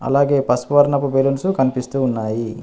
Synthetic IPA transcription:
ɐ̰laːɡe̞ːpɐspuʋɐɾnɐpubelunsukɐnipist̪uːnːaːji

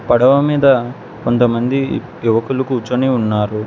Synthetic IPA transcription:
pɐɽɐʋɐmiːd̪ɐ | ko̞nt̪ɐmɐnd̪i | juʋɐkulɐkuːt͡ʃːɐniunːaːɾu

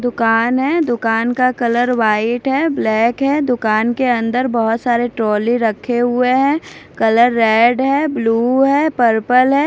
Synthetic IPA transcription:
d̪ʊkaːnɦɛ̃ːd̪ʊkaːnkakɐləɾʋaːɪʈɦɛːblɛːkɦɛd̪ʊkaːnkeɐ̃nd̪əɾbɐɦʊt̪saːɾeʈɾɔːliɾɐkʰːeɦʊeɦɛ̃ːkɐləɾːɛːɖɦɛːbluːɦɛːpəɾpəlɦɛː

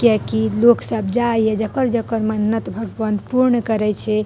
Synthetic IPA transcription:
kɛkiloksəb̚d͡ʒajed͡ʒəkəɾd͡ʒəkəɾmənnːət̪bʱəɡpənpuɾɳkəɾɛt͡ʃʰɛ

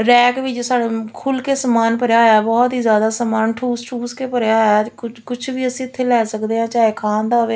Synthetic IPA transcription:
ɾɛːkʋiːd͡ʒsaːɽeːkʰuːlkeːsəmaːnpəɾjaːɛːbɔːt̪iːzjaːd̪aːsəmaːnʈʰuːsʈʰuːskeːpəɾejaːʊkʊt͡ʃʰʋiːəsĩːɪt̪ʰːeːlɛːsəkd̪eːɦãːt͡ʃaːeːkʰaːnd̪aːʋeː

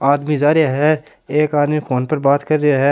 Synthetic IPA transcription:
aːd̪mizaːɾeaɦɛ | eːkaːd̪mifʰoːnpɐɾbaːt̪kɐɾːeaɦɛː

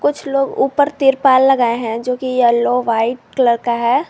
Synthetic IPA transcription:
kʊt͡ʃʰloːɡṵːpəɾt̪iːɾpaːlːɐɡaːeɦɛ̃d͡ʒoːkijɐloːʋaːɪʈ̚kləɾkaɦɛː

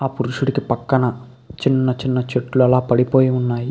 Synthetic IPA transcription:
aːpʊɾuʂɐɽikːɯpɐkːɐnɐ | t͡ʃɪnːɐt͡ʃɪnːɐt͡ʃɛʈːɯlɛlaːpɐɽipoːjɐʊnːaːji

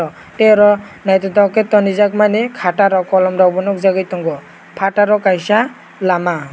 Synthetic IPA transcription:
ɔ | tɛɾɔ | najtɔtɔkɛtɔnizak̚manɛkʰataɾɔkɔlɔmɾawbɔnɔk̚zaɡajtɔŋɡɔ | pʰataɾɔkajsa | lama

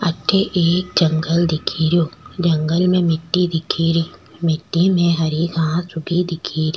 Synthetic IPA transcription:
ɐʈʰːeʔeːk̚d͡ʒɐŋɡəld̪ɪkʰiɾijoːd͡ʒɐ̃ŋɡəlmẽmɪʈːid̪ɪkʰiɾiːmɪʈːimẽɦɐɾiɡʱãːsʊɡʱid̪ɪkʰiːɾiː

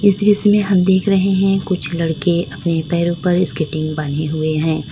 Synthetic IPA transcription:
ɪsɾɪsmẽɦɐmd̪eːkʰɾɐɦeɦɛ̃kʊt͡ʃʰlɐɽkeʔɐpnepɛːɾõpɐɾɪskɪʈɪ̃ŋɡbaːneɦʊeɦɛ̃ː

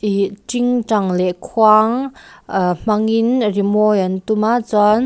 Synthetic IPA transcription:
iʈ͡ʂiŋʈ͡ʂaŋlɛʔkʰwaŋ | m̥aŋinrimɔjant̪umat͡sɔn

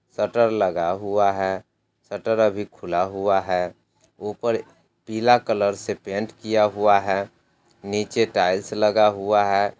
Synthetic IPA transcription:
səʈəɾləɡaɦuaɦɛ | səʈəɾəbʱikʰʊlaɦuaɦɛː | opəɾ | piːlakələɾsepẽːɳʈkijaɦuaɦɛː | niːt͡ʃeʈaːɪlsləɡaɦuaɦɛː

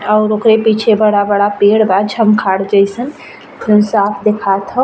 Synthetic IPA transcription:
əʊɾokɾepiːt͡ʃʰebəɽabəɽapeɽbad͡ʒʰʱəmkʰaɽd͡ʒəjsən | ũsapʰd̪ekʰat̪ɦə

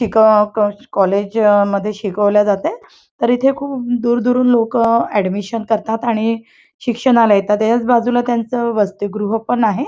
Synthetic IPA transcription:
ɕikəkɔled͡ʑməd̪ʱːjeɕikəʋljad͡zat̪e | t̪əɾit̪ʰekʰuːp̚d̪uːɾd̪uɾuːnlokæɖmiɕənkəɾt̪at̪aɽ̃i | ɕikʂəɽ̃alajet̪at̪jat͡sbad͡zulat̪jant͡səːʋəst̪uɡɾuɦəpəɳaɦe

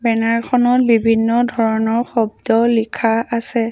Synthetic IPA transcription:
bɛnaɹkʰɔnɔt̚bibʱinːɔdʱɔɹɔnɔɹxɔb̚dɔlikʰaʔasɛ

